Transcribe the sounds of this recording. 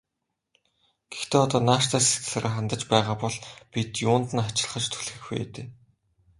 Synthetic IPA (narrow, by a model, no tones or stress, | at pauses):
ɡ̥e̥xt̪eːɔt̪ɔːnaːʃt̪ʰæːse̥t̪xɘ̥̆ɮaɾăːχant̪ə̆t͡ɕpæːʁaːpɔɮpit̪jʊːnt̪ɘ̆nχat͡ɕɪ̆ɮχə̆t͡ɕt̪ʰu̥ɮɣɘ̆xpḛːt̪eː